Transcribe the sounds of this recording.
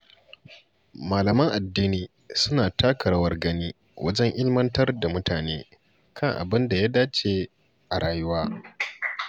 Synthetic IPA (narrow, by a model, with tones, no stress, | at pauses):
maː˨lɐ˨mɐ˦ŋʔa˨dːiː˦niː˨ | sʊ˦naː˨ta˦kʰɐ˨ɽɐ˦wɐ˦rɡɐ˦niː˦ | wʔɐ̰˦d͡ʒɛ˦ŋʔɪ˦lmɐ˦ntɐ˦rda˨mʊ˦taː˨neː˦ | kʰɐ˦ŋʔa̰˨bɪ˦nda˨ja˦daː˦t͡ʃe˨ | ʔa˨ɽaː˨jʊ˦waː˦